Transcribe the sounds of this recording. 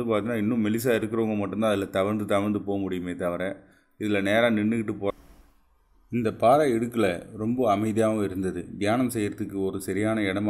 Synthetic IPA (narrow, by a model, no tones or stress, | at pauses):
d̪ɯpaːɾt̪ɪnːaːɪnːʊ̃mɛlɪs̬aːɪɾɯkːɯɾoːŋɡɐmɐʈːɯmd̪ãːɐðɪlɐt̪ɐʋɐɾnd̪ɯt̪ɐʋɐɾnd̪ɯpoːɐmʊɽɪjɯmeːt̪ɐʋɐɾɛ | ɪðɪlɐneːɾãːnɪɳːɯkːɪʈːɯpoː | ɪnd̪ɐpaːɾɐɪɽɯkːɪlɐɾɔmbɐɐmɐɪðɪjaːʋɐ̃ɪɾɯnd̪ɐðɯd̪ɪjaːnɐmsɛjːɪɾɐðɯkːɯɔɾɯsɐɾɪjaːnɐɪɽɐm